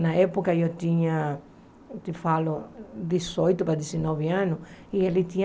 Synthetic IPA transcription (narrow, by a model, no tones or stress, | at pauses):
nɐɛpokɐewt̪ĩɲɐ | t̪ifalʊd̪isojt̪ʊpɾɐd̪isinɔβɪãnʊielit̪ĩɲ